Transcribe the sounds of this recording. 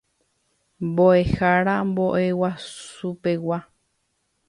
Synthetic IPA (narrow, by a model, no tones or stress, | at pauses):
mboe̞haɾamboʔe̞wasupe̞wa